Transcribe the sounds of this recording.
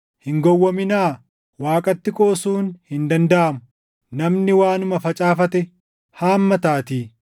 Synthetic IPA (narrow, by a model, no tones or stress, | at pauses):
hɪŋɡɔwːɐmɪnaː | waːkʼɐt̪ːɪkʼoːsuːnhɪnd̪ɐnd̪ɐʔɐmʊ | nɐmnɪwaːnʊmɐfɐt͡ʃʼaːfɐt̪ɛ | haːmːɐt̪aːt̪iː